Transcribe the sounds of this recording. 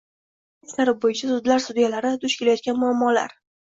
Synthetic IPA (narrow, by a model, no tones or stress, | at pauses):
ɪsnaɾɪp̚bojɪt͡ʃʰasʊd̪laɾsʊd̪ijalaɾɪd̪ʊʃkʲʰe̞lajɒt̪̚kʲanmʊamːɒla̰ɾ